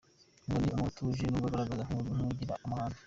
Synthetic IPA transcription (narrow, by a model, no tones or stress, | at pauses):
ŋɡoniamatuʒinuɡaɡaɾaɡazaŋuɟiɾa̰ʔamaːnḁ